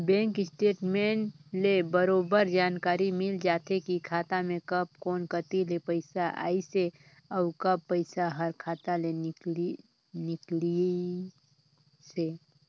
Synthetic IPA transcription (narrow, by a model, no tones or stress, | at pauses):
bɛ̃ːŋkɪsʈeːʈmẽːɳlebəɾoːbəɾd͡ʒaːnkaːɾimɪld͡ʒaːt̪ʰekikʰaːt̪amẽkɐb̚kɔːnkət̪ilepəɪsaʔa̰ːise | ɔːkɐbpːəɪsaɦəɾkʰaːt̪ale | nɪkli | se